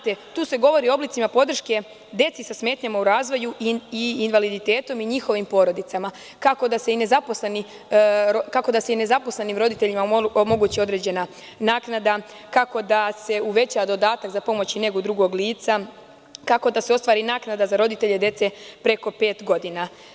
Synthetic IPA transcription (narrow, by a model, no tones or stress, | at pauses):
t̪et̪uːse̞ɡo̞ʋo̞ɾioo̞blit̪simapo̞d̪r̩ʃke̞ | d̪e̞t̪sisasme̞ːt̪ɲamauɾaːzʋo̞juʔiːnʋalid̪it̪e̞ːt̪o̞miɲixo̞ʋimpo̞ɾo̞d̪it̪sama | kako̞d̪aseine̞zaposle̞ni | ɾokako̞d̪aseine̞zapo̞sle̞nimɾo̞d̪it̪e̞ʎimaomo̞ɡuːt͡ɕio̞d̪ɾe̞ːd͡ʑe̞na | naːknad̪a | kako̞d̪ase̞uʋe̞t͡ɕaʋad̪o̞d̪aːt̪akzapo̞mo̞t͡ɕine̞ɡod̪ɾuɡo̞ɡliːt̪sa | kako̞d̪aseo̞st̪ʋaːɾinaːknad̪azaɾo̞d̪it̪e̞ʎe̞d̪je̞t̪se̞pɾe̞ko̞pe̞ːt̪ɡo̞d̪ina